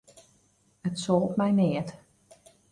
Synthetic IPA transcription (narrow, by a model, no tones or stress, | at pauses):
ətsoːlˠtmɛjnɪət